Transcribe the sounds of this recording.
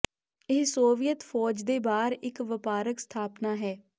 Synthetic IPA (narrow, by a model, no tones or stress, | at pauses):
ɪɦsoːʋijət̪fʰɔːd͡ʒd̪eːbaːɾɪkʋəpaːɾəkst̪ʰaːpnaːɦɛː